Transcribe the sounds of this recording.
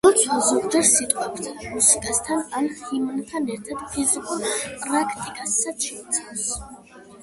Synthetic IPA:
d̪ɔt̪sʰwalˠzuʁd͡ʒɛɾsit̪ʼqʼwapʰt̪ʰmusikʼast̪ʰananχimnt̪ʰanɛɾt̪ʰad̪̥pʰizikʼulˠpʼɾakʰt̪ʼikʼasːaʃʰɛt̪sʰas

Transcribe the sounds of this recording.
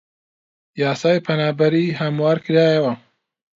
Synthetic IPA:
jɑːsɑːjpʰɐnaːbɐɾiːɦɐmwaːɾkɨɾɑːjɐwɐ

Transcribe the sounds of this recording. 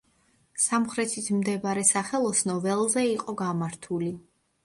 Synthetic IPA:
samχɾɛt̪ʰismd̪ɛbaɾɛsaχɛlˠɔsnɔvɛlˠzɛiqʼɔɡamaɾt̪ʰuli

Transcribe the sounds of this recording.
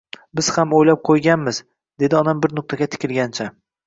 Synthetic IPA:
bɪz̥hamojlap̚qʰojɡʲanmɪz | d̪e̞d̪ɪɒd̪ambɪɾnʊq̚t̪ʰaɡʲat̪ʰɪ̥kʲɪlˠɡʲant͡ʃʰa

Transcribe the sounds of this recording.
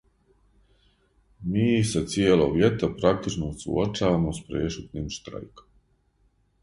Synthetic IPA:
miːset̪sjeːlˠo̰ʋje̞t̪apɾak̚t̪it͡ʃnousṵot͡ʃaːʋamospɾeːʃut̪niːmʃt̪ɾa̰jkom

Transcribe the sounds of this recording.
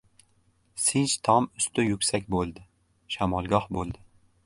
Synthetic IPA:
sɪnt͡ʃt̪ʰɒmʊst̪ɪjʊkʲsakʲbolˠd̪ɪ | ʃamɒlˠɡʲɒhbolˠd̪ɪ

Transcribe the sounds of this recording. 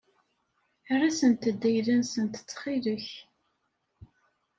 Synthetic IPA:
ærˤːasənt̪əd̪ːæjlænsənt̪ə̥t͡sːχiləç

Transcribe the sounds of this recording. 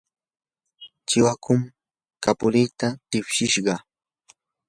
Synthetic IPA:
t͡ʃɪwakʊm | kapʊlijt̪at̪ɪpʃɪʃɢɑ

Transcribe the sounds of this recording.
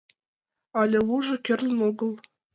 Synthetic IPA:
ɑlʲɘ̆lˠuʐɤ̆kʲɘ̆rʲlʲɘ̆noɡɤ̆lˠ

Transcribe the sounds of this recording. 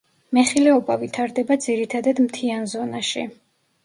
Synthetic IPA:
mɛχilɛɔbavit̪ʰaɾd̪ɛbad̪ziɾit̪ʰad̪ad̪mt̪ʰianzɔnaʃḭ

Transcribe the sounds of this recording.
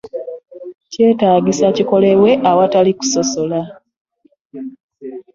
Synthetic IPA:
ce̞ːtaːɟisaciko̞le̞βwe̞ʔawataliku̥so̞so̞la

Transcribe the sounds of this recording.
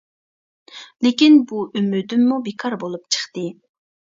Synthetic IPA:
lekʲinbuʔymyd̪ymːubekʰɑɾbolˠup̚t͡ʃʰə̥χt̪ɨ

